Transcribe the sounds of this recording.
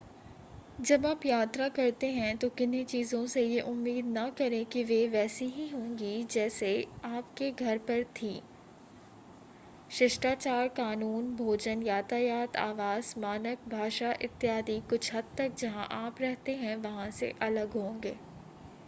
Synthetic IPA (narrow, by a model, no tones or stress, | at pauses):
d͡ʒɐbaːpjaːt̪ɾakɐɾt̪eɦɛ̃t̪okɪnit͡ʃiːzõsejeʔʊmːiːd̪nɐkɐɾẽkiʋeʋɛːsiɦiɦõːŋɡid͡ʒɛːseaːpkeɡʱɐɾpɐɾt̪ʰiː | ʃɪʃʈaːt͡ʃaːɾkaːnuːnbʱoːd͡ʒənjaːt̪aːjaːt̪ʰa̰ːʋaːz̥maːnək̚bʱaːʃaʔɪt̪ːjaːd̪ikʊt͡ʃʰɦɐd̪̚t̪ɐk̚d͡ʒɐɦã̰ʔaːpɾɛɦt̪eɦɛ̃ʋɐɦãsḛʔɐləɡɦõːŋɡeː